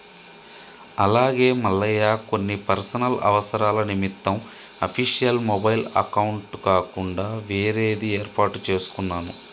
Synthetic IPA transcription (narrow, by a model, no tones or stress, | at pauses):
ɐlaːɡeːmɐlːɐjaːko̞nːipɐɾsɐnɐlɐ̰ʋɐsɐɾaːlɐnimit̪ːɐm | ɐpʰiʂijɐlmobɐjlɐ̰kɐwuɳʈkaːkuɳɖaːʋeːɾeːd̪ieːɾpaːʈut͡ʃe̞ːsu̥kunːaːnu